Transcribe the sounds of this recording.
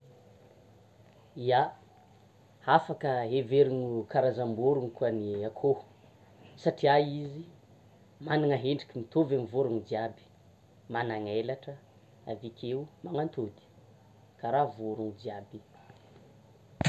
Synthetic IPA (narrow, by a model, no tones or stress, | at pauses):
ia | afakəɦeveɾuɲukaɾazambuɾuŋikuaniakʰo | saʈ͡ʂiajizi | maniŋaɦeɳɖ͡ʐi̥kimit̪ovamivoɾuŋud͡ziabi̥ | manaŋelaʈ͡ʂə | avikʰʲeumaŋant̪od̪i̥ | kaɾavoɾuŋud͡ʒiabi